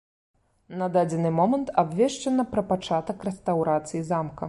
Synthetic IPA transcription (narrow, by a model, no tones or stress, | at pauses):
nɐd̪ad͡zʲɛnɨmɔmɐnt̪ʰabvʲɛʂt͡ʂɐnɐpɾɐpat͡ʂat̪ɐkrɛst̪awɾat̪sɨjizamkɐ